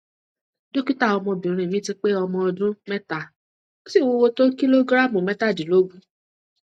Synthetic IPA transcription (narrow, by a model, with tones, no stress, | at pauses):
do˦ki˦ta˦˨ɔ˧mɔ̃˧bĩ˨ɾ̃ĩ˨mĩ˦ti˧k͡pe˦ɔ˧mɔ̃˧ɔ˧dũ˦mɛ˦ta˦˨ | o˦si˦˨wo˦˧wo˧to˦ki˦lo˦ɡɾa˦˨mũ˨mɛ˦ta˦˨dĩ˨lo˦ɡũ˦